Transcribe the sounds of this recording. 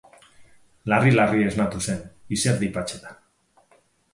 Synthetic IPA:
larilarieznat̪use̞niseɾd̪ipat͡ʃet̪ḁ

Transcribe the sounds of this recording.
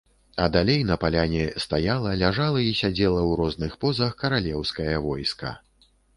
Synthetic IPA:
ɐd̪alʲejnɐpalʲanʲɛst̪ajalˠɐlʲaʐalˠɐisʲad͡zʲɛlˠɐwɾɔznɨxpɔzɐxkɐɾalʲɛwskɐjɐvɔjskɐ̰

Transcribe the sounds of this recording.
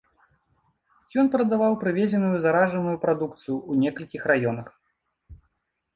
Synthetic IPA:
jɔnpɾɐd̪avawpɾɨvʲɛzʲɛnujuzaɾaʐɐnujupɾad̪ukt̪sɨjuunʲɛkɐlʲkʲixrajɔnɐx

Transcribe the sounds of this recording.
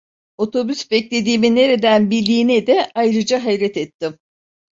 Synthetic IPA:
o̞t̪ʰo̞bysbɛclʲe̞d̪iːminːe̞ɾe̞d̪ænbilʲd̪iːnɛd̪ɛʔajɾɯd͡ʒaɦajɾɛt̪ɛt̪ʰːim

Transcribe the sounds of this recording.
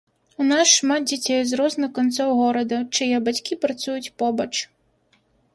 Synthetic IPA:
unasʂmat̪̚d͡zʲat͡sʲɛjzrɔznɨxkɔnt̪sɔwɣɔɾɐd̪ɐt͡ʂɐjɛbat͡sʲkʲipɾɐt̪sujut͡sʲpɔbɐt͡ʂ

